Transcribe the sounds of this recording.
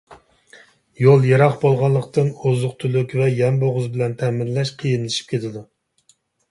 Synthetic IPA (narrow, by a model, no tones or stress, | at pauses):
jolˠjeɾɑχbolˠʁɑlˠːəqt̪ɨnozʊqt̪ʰylykʲvɛjɛmboʁʊzbɪlɛnt̪ʰɛmɪnlɛʃqʰəjinlˠɪʃi̥p̚kʲʰet̪ʰɪd̪u